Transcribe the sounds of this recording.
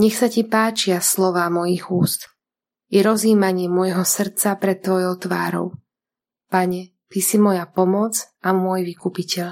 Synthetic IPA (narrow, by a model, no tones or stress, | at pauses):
ɲɛxsacipaːt͡ʃɪaslɔʋaːmɔjiɣuːst̪ | jɛɾɔziːmaɲɪɛmɔjɦɔsr̩t͡sapɾɛt̪ːʋɔjɔʊt̪ʋa̰ːɾɔ̰ʊ | paɲɛ | t̪isimɔjapɔmɔd͡zʔamʊɔjʋikupicɛʎ